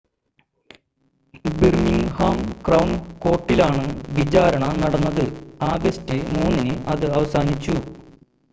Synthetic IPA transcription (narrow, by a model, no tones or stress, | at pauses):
birmiŋhaːmkrɐwɳko̞ːʈːilaːɳɨʋid͡ʑaːɾɐɳɐnɐɽɐnːɐðɨaːɡɐstɨmuːnːinɨʔɐðɨɐʋɐsaːnit͡ɕːu